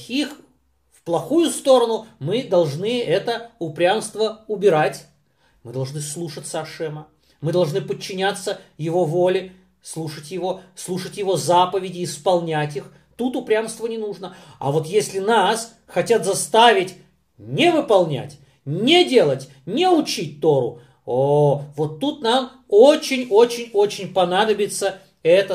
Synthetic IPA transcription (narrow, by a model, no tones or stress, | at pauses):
ix | fplˠɐxujʊst̪o̞ɾənʊmɨd̪ɐlˠʐnɨɛt̪əʊpɾʲamst̪vəʊbʲɪɾatʲ | mɨd̪ɐlˠʐnɨslˠuʂət̪sːəɐʂɛmə | mɨd̪ɐlˠʐnɨpət͡ɕːɪnʲat̪sːəjɪvo̞vo̞lʲɪ | slˠuʂətʲjɪvo̞slˠuʂətʲjɪvo̞zapəvʲɪdʲɪːspɐlˠnʲætʲix | t̪ut̪ʊpɾʲamst̪vənʲɪnuʐnəɐ̰vo̞t̪jesʲlʲɪnas | xɐtʲat̪zɐst̪avʲɪtʲ | nʲɪvɨpɐlˠnʲæ̰tʲ | nʲɪdʲe̞lˠətʲ | nʲɪʊt͡ɕit̚ʲt̪o̞ɾʊ̰ | ovo̞t̪ːut̪nam | ot͡ɕɪnʲo̞t͡ɕɪnʲo̞t͡ɕɪnʲpɐnad̪əbʲɪt̪sə | ɛt̪ə